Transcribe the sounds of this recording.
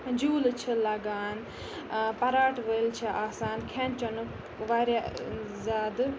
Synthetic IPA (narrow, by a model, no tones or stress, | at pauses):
d͡ʒuːlt͡ʃʰilɐɡaːn | pɐɾaːʈʋɐilt͡ʃʰiʔaːsaːnkʰent͡ʃɐnu | ʋaːɾja | zaːd̪